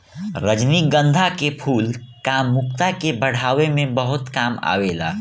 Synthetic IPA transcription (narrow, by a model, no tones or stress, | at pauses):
ɾəd͡ʒniɡə̃nd̪ʱakepʰuːlkaːmːʊkt̪akebəɽ̤aːʋemẽbəɦʊt̪kaːma̰ːʋeːla̰ː